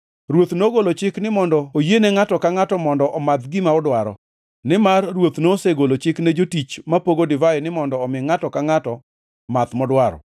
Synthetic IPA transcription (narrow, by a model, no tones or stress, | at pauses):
ɾwot̪noɡolot͡ʃɪknɪmɔndɔojenɛŋatɔkaŋatɔmɔndɔʔɔmat̪ɡɪmaɔdwaɾɔ̰ | nɪmarːwot̪noseɡolot͡ʃɪknɛd͡ʒotit͡ʃmapoɡodɪvaɛnɪmɔndɔːmɪŋatɔkaŋatɔ | mat̪mɔdwaɾɔ̰